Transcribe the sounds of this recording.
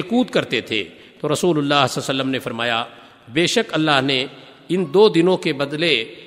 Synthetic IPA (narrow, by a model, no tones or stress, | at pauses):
kuːd̪kɐɾt̪et̪ʰḛ | t̪oɾɐsuːlʊlːaːɦsɐsəlːəmnefɐɾmaːja | beːʃəkɐlːaːɦne | ɪnd̪oːd̪ɪnõkebɐd̪le